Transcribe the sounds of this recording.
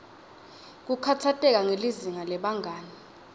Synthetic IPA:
k̬ukʰatʰatʼɛk̬aŋeliziŋalɛɓaŋʱaːni

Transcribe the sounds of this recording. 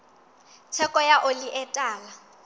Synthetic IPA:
t͡sʰɛkʼɔjaʔoliʔɛtʼaːla

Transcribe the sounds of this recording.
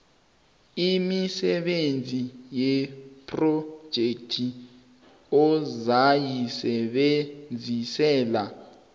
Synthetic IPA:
imisɛɓend͡zʱijɛpʰʼrɔ̥ʒ̥ʱek̚tʰi | ɔzajisɛɓend͡zʱisɛːla

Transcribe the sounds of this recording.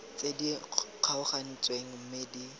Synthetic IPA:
t͡sediq͡χʰaʊχan̩t͡sweŋ̩m̩medi

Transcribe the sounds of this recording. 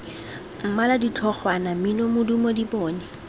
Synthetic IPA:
m̩maladit͡ɬʰɔk͡xʰwanaminomʊdumodipɔːnɛ

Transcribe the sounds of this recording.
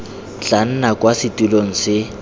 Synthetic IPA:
t͡ɬan̩nakwasɪtuloŋ̩sɪ

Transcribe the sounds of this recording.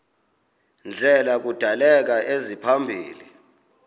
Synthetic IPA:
nd͡ɮʱɛlak̬ud̥ʱalɛk̬aʔezipʰambʱḭːli

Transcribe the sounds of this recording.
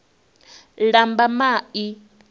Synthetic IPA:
lambamai

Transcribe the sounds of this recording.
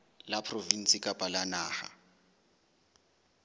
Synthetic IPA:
lapʰrovin̩sikʼapʼalanaːha̰

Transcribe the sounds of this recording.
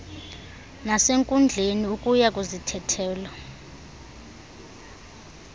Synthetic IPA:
naseŋkʼund͡ɮʱeniukʼujakʼuzitʰɛtʰɛːla

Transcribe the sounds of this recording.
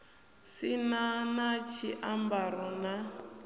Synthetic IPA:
sinanat͡ʃʰiʔambaɾɔna

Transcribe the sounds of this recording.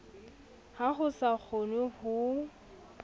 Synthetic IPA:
haχʊsak͡xʰonʊhʊ

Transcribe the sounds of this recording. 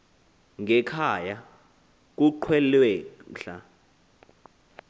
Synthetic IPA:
ŋʱɛkʰaja | k̬ʼuǃʰwɛlwɛɬa

